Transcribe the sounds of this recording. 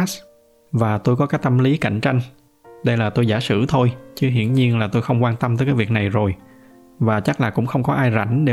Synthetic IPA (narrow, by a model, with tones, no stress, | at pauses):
s | vaː˨˩t̪o˧jkɔ˨˦kaː˦˥k̚t̪ə˧mli˨˦ka̰˧˩˨jŋ̟t͡ɕa˧jŋ̟ | ɗə˧jlaː˨˩t̪o˧jzaː˧˩sɨ̰˧˥t̪ʰo˧jt͡ɕɨ˨˦ɦḭ˧˩˨ənɲi˧ənlaː˨˩t̪o˧jxə˧wŋ͡mkwaː˧nt̪ə˧mt̪əː˨˦jkaː˨˦jvi˨˩ək̚na˨˩jzo˨˩j | vaː˨˩t͡ɕa˦˥k̚laː˨˩kʊ̰˧˥ŋ͡mxə˧wŋ͡mkɔ˨˦ʔaː˧jza̰˧˩jŋ̟ɗe˧˩